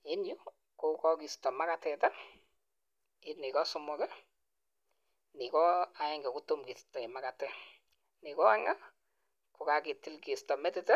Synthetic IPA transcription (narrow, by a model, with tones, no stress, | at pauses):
e˦nju˦ | kokɔ˦ki˨stɔ˨ma˦katɛ˨ta˦ | i˦ni˨kɔ˦sʊ˦mɔ˨kɛ˦ | ni˨kɔ˦a˨ɛ˦ŋɡɛ˨ku˦to˦mki˨stɔ˨e˨ma˦ka˨tɛ˦ | ni˨kɔ˦a˦ŋa˦ | ko˨ka˨ke˨ti˦lki˨stɔ˨mɛ˦tɪtɛ˦